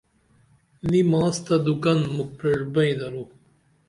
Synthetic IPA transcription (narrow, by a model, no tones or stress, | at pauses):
nimãːst̪ɐd̪ukɐnmuk̚peɽbɐĩd̪ɐɾuː